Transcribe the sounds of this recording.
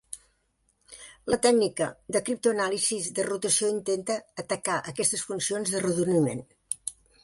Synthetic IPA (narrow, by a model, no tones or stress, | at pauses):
lət̪ɛɡnikəd̪əkɾip̚t̪uənalizizd̪ərut̪əsioint̪ent̪əːt̪əkaʔəkɛst̪əsfunsionzðərəðunimḛn